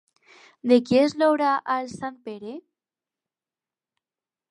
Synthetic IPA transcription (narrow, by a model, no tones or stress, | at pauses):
d̪ekjezloβɾaʔalsanpeɾe